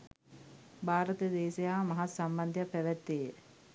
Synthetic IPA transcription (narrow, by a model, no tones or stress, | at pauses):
bʱaːɾət̪əd̪eːsejaːmɐɦat̪samband̪ʱjapːæʋæt̪ːeːjə